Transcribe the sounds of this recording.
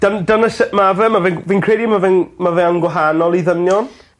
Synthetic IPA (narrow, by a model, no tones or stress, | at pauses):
d̥əndənəsɛmavɛmavɛviːnkʰrejdimavɛnmavɛanɡwɛɦanɔlˠiðəmjɔn